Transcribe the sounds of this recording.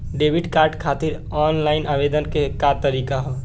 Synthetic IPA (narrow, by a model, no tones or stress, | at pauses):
ɖebʱiɖkaɾɖkʰat̪iɾ | ɔnlaɪinabed̪ənkekat̪əɾikaɦɔ